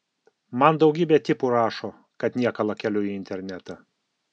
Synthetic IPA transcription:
mɐnd̪ɒʊɡʲiːbʲɛt̪ʲɪpʊɾɑːʃoː | kɐt̪nʲiɛkɐlˠɐkʲɛlʲʊjiɪnʲt̪ʲɛɾʲnʲɛt̪ɐ

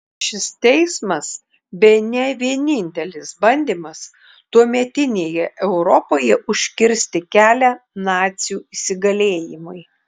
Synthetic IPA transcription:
ʃʲɪst̪ʲɛɪsmɐs | bʲɛɪnʲɛʋʲiɛnʲɪnʲt̪ʲɛlʲɪsbɐnʲd̪ʲiːmɐs | t̪uɔmʲɛt̪ʲɪnʲeːjɛʔɛʊɾɔpoːjɛʔʊʃʲkʲɪɾʲsʲt̪ʲɪkʲæːlʲænɑːt̪sʲɪjuːɪsʲɪɡɐlʲeːjɪmʊɪ

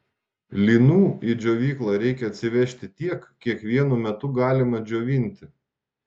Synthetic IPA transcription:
lʲiːnuːid͡ʒʲoːʋʲiːklˠɑɾʲɛɪkʲɛɐt̪ʲsʲɪʋʲɛʃʲt̪ʲɪt̪ʲiɛkkʲiɛkʋʲiɛnumʲɛt̪ʊɡɑːlʲɪmɐd͡ʒʲoːʋʲɪnʲt̪ʲɪ

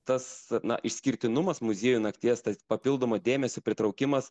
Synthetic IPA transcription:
t̪ɐsnɐ̰ʔɪʃʲsʲkʲɪɾʲt̪ʲɪnʊmɐsmʊzʲiːjʊnɐkt̪ʲeːst̪ɐspɐpʲɪlˠd̪oːmɐːd̪ʲeːmʲɛsʲopʲɾʲɪt̪ɾɔʊkʲɪmɐs

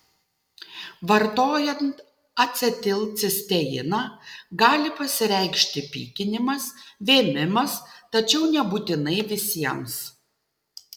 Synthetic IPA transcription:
ʋɐɾt̪oːjɛnt̪ | ɐt̪ʲsʲɛt̪ʲɪlˠʲsʲɪsʲt̪ʲɛjɪnɑːɡɑːlʲɪpɐsʲɪɾʲɛɪkʃʲt̪ʲɪpʲḭːkʲɪnʲɪmɐsʋʲeːmʲɪmɐst̪ɐt͡ʃʲɛʊnʲɛbuːt̪ʲɪnɐɪʋʲɪsʲiɛms

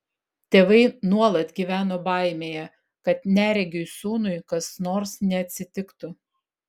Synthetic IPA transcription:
t̪ʲeːʋɐɪnuɔlˠɐt̪ɡʲiːʋʲæːnoːbɑˑɪmʲeːjɛ | kɐt̪nʲæːɾʲɛɡʲʊɪsuːnʊɪkɐsnoːɾsnʲɛɐt̪ʲsʲɪt̪ʲɪkt̪ʊ

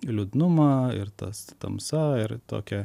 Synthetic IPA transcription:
lʲʊd̪nʊmɑɪ̰ɾt̪ɐ̰st̪ɐmsɐɪɾt̪o̰ːkʲɛ

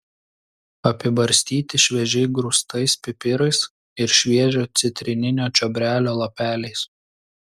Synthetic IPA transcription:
ɐpʲɪbɐɾʲsʲt̪ʲiːt̪ʲɪʃʲʋʲɛʒʲɛɪɡɾʊst̪ɐɪspʲɪpʲɪɾɐɪs | ɪɾʃʲʋʲiɛʒʲoːt̪sʲɪt̪ʲɾʲɪnʲɪnʲoːt͡ʃʲɔbʲɾʲæːlʲoːlˠɐpʲæːlʲɛɪs

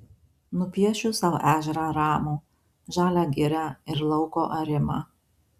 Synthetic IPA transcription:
nʊpʲiɛʃʲʊsɑʊʔæːʒʲɛɾɑɾɑːmuː | ʒɑːlʲæːɡʲɪɾʲæɪɾlˠɒʊkoːʔɐɾʲɪmɑ̰ː

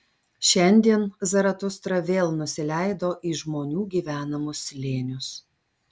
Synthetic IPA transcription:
ʃʲɛnʲd̪ʲiɛnzɐɾɐt̪ʊst̪ɾɐʋʲeːlˠnʊsʲɪlʲæˑɪd̪oːʔiːʒmoːnʲuːɡʲiːʋʲæːnɐmʊslʲeːnʲʊs

